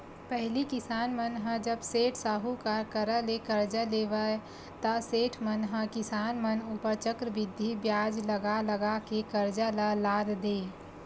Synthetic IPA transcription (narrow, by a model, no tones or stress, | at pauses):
pɛɦlikɪsaːnmənɦəd͡ʒəbseːʈʰsaːɦukakəɾəlekəɾd͡ʒəleːʋə | t̪ɐseːʈʰmənɦə̃kɪsaːnmənupəɾt͡ʃəkɾəʋɪd̪ʱːibjaːd͡ʒləɡaləɡakekəɾd͡ʒalalaːd̪d̪eː